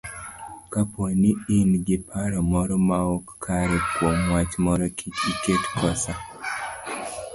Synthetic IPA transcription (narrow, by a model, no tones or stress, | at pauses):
kaponiinɡɪpʰaɾɔmɔɾɔmaɔkːʰaɾɛkwomwat͡ʃmɔɾɔkʰit͡ʃiketkʰɔsa